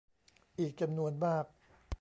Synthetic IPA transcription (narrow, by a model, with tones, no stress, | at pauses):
ʔiː˨˩k̚t͡ɕa˧mnu˧ənmaː˥˩k̚